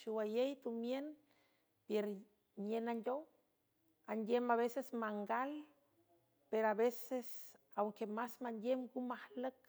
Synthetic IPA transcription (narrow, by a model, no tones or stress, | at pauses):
ʃiwajejt̪umjen | peɾ | ɲenandʲow | andʲemaβesesmaŋɡal | peɾoaβeses | awŋkemasmanjemɡumahlək